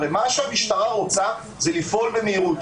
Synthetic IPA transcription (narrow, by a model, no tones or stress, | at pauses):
vemaʃeamiʃt̪aʁaʁo̞t͡sa | zelifʔo̞lbemeiʁut̪